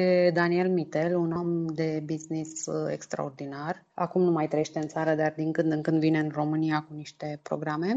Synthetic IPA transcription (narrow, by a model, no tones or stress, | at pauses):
ed̪anie̞lmit̪e̞lunomd̪e̞biznisḛkst̪ɾa̰o̞rd̪inar | a̰kumnumajt̪ɾejeʃt̪e̞ɨnt̪saɾəd̪ard̪iŋkɨnd̪ɨŋkɨnd̪vine̞ɨnro̞mɨnijakuniʃt̪e̞pɾo̞ɡɾame̞